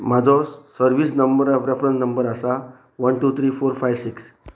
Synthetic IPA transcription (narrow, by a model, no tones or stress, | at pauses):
mad͡zʱɔsːəɾʋiːs̬nəmbəɾɾefɾə̃nsnəmbəɾasa | ʋənʈuːt̪ʰɾiːfoɾfajʋsiks